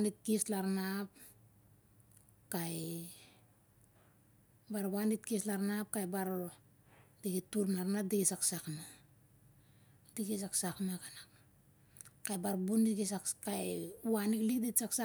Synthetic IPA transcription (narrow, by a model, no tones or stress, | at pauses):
anit̚kislaɾnap̚ | kaj | baɾβanit̚kislaɾnap̚kajbaɾ | diɡituɾnaɾnadikisaksakna | diɡisaksaknakanak | kajbaɾbundikisakkajwaniklikdisaksa